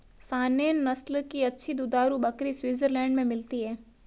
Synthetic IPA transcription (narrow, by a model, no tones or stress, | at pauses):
saːneːnːɐslkiɐtːʃʰid̪ʊd̪aːɾubɐkɾiswiːzəɾlɛ̃ːɳɖmẽmɪlt̪iɦɛː